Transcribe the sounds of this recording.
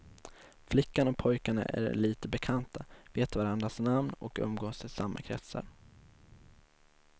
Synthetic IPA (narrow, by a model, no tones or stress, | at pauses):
flɪkːanɔkpʰɔjkaɳa̰ʔæ̰ɾɭiːt̪əbɛkʰant̪aveːt̪vaɾand̪ɾasnamnɔkɵ̰mɡoːsʰɪlsamːa̰kʰɾɛ̰t̪sa̰ɾ